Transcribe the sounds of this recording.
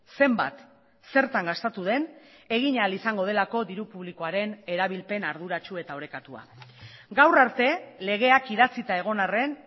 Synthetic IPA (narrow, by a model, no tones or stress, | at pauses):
se̞mba̰t̪ | se̞ɾt̪aŋɡast̪at̪uð̞e̞ne̞ɣ̞iɲaalisaŋɡo̞ð̞e̞lako̞ðiɾupuβliko̞aɾe̞ne̞ɾaβ̞ilpe̞naɾð̞uɾat͡ʃue̞t̪ao̞ɾe̞kat̪ua̰ɡawraɾt̪e̞le̞ɣ̞e̞akiðat͡sit̪ae̞ɣ̞o̞nare̞n